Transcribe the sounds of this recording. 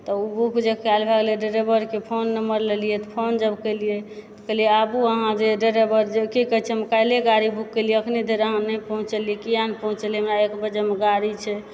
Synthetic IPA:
t̪ɔubʱukd͡ʒekalbʱaɡleɖeɾebəɾkepʰonːəməɾlelijɛt̪pʰond͡ʒəbkelijet̪ɔ̥kəlijeabuəɦãd͡ʒeɖeɾebəɾd͡ʒekikəɦt͡ʃʰɛmekajleɡaɾibʱukːelijeəkʰnid̪ʱeɾəɦãnəjpəɦũt͡ʃəlijekijanpəɦũt͡ʃəlijɦəmɾaekbəd͡ʒemeɡaɾit͡ʃʰɛ

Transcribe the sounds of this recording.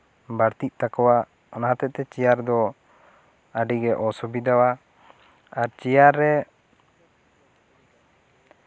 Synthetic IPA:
baɽt̪iʔ̚ˀt̪akɔwa | ɔnaɦat̪ɛʔt̪ɛt͡ʃijaɾd̪ɔ | aɖiɡɛʔɔsɔbid̪awa | aɾt͡ʃijaɾːɛ

